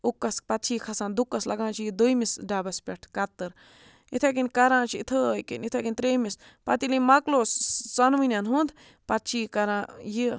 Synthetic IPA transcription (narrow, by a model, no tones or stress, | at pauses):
ukːɐspɐt̪t͡ʃʰiːkʰɐsãːnd̪ukːɐslɐɡãːt͡ʃʰjid̪ujmisɖaːbɐspʲɛʈʰkɐt̪ːɨɾ | it̪ʰekinʲkɐɾãːt͡ʃʰiit̪ʰəjkḭnʲit̪ʰakinʲt̪ɾeːmis | pɐt̪ilimɐkloːssɐnʋinʲjanɦũnd̪ | pɐt̪t͡ʃʰiːkɐɾãːji